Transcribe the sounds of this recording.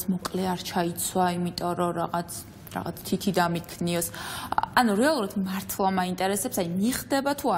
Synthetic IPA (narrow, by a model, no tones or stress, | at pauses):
smɔkʼlɛaɾt͡ʃʰait̪sʰwaimit̪ʼɔɾɔɾa̰ʁat̪s | ɾa̰ʁat̪sʰt̪ʰit̪ʰid̪amikʰniɔsanuɾɛalˠuɾad̪maɾt̪ʰlˠamaint̪ʼɛɾɛsɛpsajmiχd̪ɛbat̪ʰua